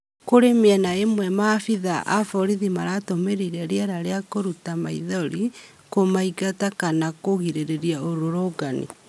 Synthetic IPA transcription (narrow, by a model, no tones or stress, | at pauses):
koɾemeɛnaemwɛmafiðaʔa̰fɔɾiðimaɾatomeɾiɾɛɾjɛɾaɾeakoɾutamaiðɔɾi | komaiɡatakanakoɣiɾeɾeɾiaoɾoɾoɡanḭ